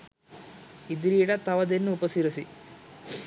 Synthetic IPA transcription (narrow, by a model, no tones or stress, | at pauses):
id̪iɾiːɽɐt̪ɐʋɐd̪enːuːpɐsiɾisi